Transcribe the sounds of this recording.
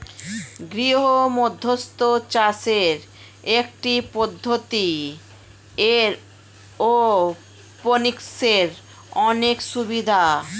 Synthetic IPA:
ɡɾiɦomod̪ʱːost̪ot͡ɕaseɾ | ek̚ʈipod̪ʱːot̪i | eɾ | o | ponikseɾ | ɔnekʃubid̪ʱa

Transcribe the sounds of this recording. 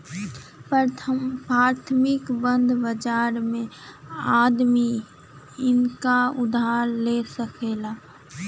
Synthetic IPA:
pʰ | pɾaːɾt̪ʰmɪkbə̃nd̪ʱbəd͡ʒaːɾmẽad̪mi | ɪnkaʊd̪aɾlesəkʰeːlaː

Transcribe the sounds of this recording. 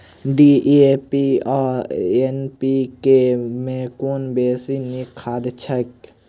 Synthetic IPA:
ɖiʔepiɔːenpikemẽkoːnbeːsinikʰːaːd̪t͡ʃʰək

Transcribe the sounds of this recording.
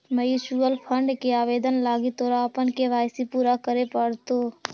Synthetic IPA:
məjut͡ʃuəlpʰə̃ɳɖkeaːʋeːd̪ənlaːɡit̪oːɾaəpənkeʋaːɪsipuːɾakəɾepəɽt̪oː

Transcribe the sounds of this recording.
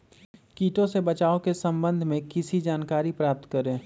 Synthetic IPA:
kiːʈõsebɐt͡ʃaːokesɐ̃mbə̃nd̪ʱmẽkɪsid͡ʒaːnkaːɾipɾaːp̚t̪kəɾẽː

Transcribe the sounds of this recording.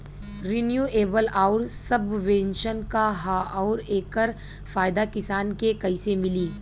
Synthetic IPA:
ɾinjuːeːbəlaːʊɾsɐbʋẽnʃənkaɦaɔːɾeːkəɾ | faːjd̪akɪsaːnkekɐɪsemɪliː

